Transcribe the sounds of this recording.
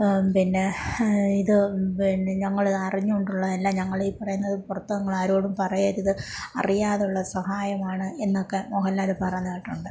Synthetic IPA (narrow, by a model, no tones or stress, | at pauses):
pinːe̞iðɨineɲɐŋːɐɭiðɐriɲːuoɳɖuɭːɐðɐlːaːɲɐŋːɐɭeipːɐrɐjunːɐðɨpurɐt̪ːɐnɐŋːɐɭaːɾoːɽumpɐrɐjaːt̪iðɨɐ̰rijaːðuɭːɐsɐhaːjɐmaːɳɨe̞nːokːe̞moɦɐlːaːlɨpɐrɐɲːɐɐʈːuɳɖɨ